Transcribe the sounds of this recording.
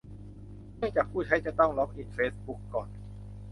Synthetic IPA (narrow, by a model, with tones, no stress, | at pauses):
nɯ˥˩t͡ɕaː˨˩k̚ʰuː˥˩t͡ɕʰa˦˥jt͡ɕa˨˩t̪ɔ˥˩ŋlɔ˦˥k̚ʔiː˨˩t̪̚feː˦˥sbu˦˥kːɔː˨˩n